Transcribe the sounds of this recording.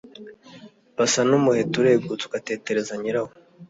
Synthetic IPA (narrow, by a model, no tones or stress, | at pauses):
basanumuhe̞tuɾe̞ːɡut͡su̥ɡate̞ːte̞ɾe̞zaɲiɾaho